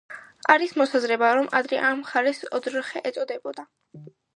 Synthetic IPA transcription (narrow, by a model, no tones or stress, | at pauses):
aɾismɔsazɾɛbaɾɔmʔad̪ɾɛʔamχaɾɛsɔd̪ɾχɛʔɛt̪sʼɔd̪ɛbɔd̪a